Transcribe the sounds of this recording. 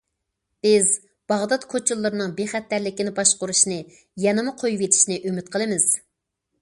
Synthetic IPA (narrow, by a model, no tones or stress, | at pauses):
b̥ɪz | b̥ɑʁd̪ɑt̪kʰot͡ʃʰulˠːɨɾɨnɨŋbeχɛt̪ːæɾlɪkʲinɪbɑʃqʊɾuʃnɨ | jɛnɨmʊqʰojuvet̪ʰi̥ʃnɪʔymɪt̪̚qʰəlˠɨmɪz̥